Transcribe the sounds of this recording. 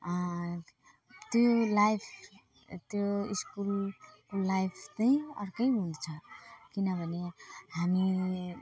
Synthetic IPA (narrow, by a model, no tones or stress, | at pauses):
t̪jolajpʰ | t̪joiskulkolajpʰt͡sʌĩʌ̰rkʌjɦũnt͡sʰʌkinʌbʱʌnehami